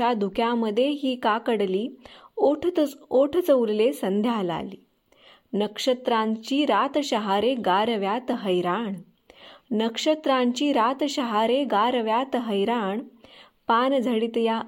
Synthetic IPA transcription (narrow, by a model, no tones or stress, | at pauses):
ad̪ʱukʰjãməd̪ʱːjeɦiːkakəɽliːoʈʰoʈʰt͡səuɾlesənd̪ʱjala̰liː | nəkʂət̪ɾãɲt͡ɕiːɾat̪ɕəɦaɾeɡaɾʋjat̪ɦəjɾaɳ | nəkʂət̪ɾãɲt͡ɕiːɾat̪ɕəɦaɾeɡaɾʋjat̪ɦəjɾaɳ | pand͡zʱəɽit̪ja